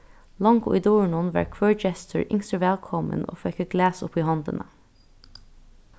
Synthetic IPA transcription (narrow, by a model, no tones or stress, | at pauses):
lɑŋɡʊ̰ʔiːd̪oːɹɳʊnʋɑ̰ːɹkʰʋøːɹd͡ʒɛst̪ʰəɹʔɪŋst̪ɾəʋɛlkʰɔmə̰no̰ːfœkəɡ̥læːsʊ̰piːhɑnd̪ə̰nʔə